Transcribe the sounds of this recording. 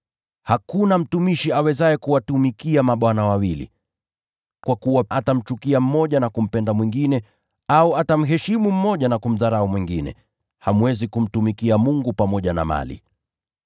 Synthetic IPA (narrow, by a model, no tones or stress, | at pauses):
hakunam̩tumiʃiawɛzaɛkuwatumikiamaɓwanawawilḭ | kwakuwaʔatam̩t͡ʃukiam̩mɔʄanakum̩pɛndamwiŋɡinɛ | auatam̩ɦɛʃimum̩mɔʄanakum̩ðaɾaumwiŋɡinɛ̰ | hamwɛzikum̩tumikiamuŋɡupamɔʄana̰ma̰lḭ